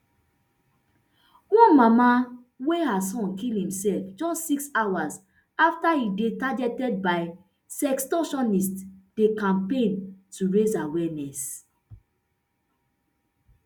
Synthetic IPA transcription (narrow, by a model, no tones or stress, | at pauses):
wɔ̃nmama | weɦasɔ̃nkilhĩmsɛlfd͡ʒɔstsiksawaz | aftaidetaɡɛtɛd̚baɪ | sɛkstɔ̃ʃɔ̃nistd̥ekãmpẽntuɹezawɛnɛs